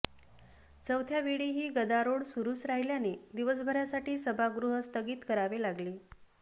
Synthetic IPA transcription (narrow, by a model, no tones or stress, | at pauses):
t͡səwt̪ʰjaʋiɽiɦiːɡəd̪aɾoɽsuɾuːsɾaɦiljaned̪iʋəs̬bʱəɾjasaʈiːsəbʱaɡɾuɦəst̪ʰəɡiːt̪kəɾaʋelaɡliː